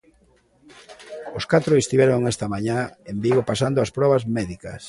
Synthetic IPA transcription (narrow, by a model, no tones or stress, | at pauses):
oskat̪ɾoest̪iβɛɾoŋɛst̪ɐmaɲaembiɣopasand̪oaspɾɔβɐzmɛðikɐ̰s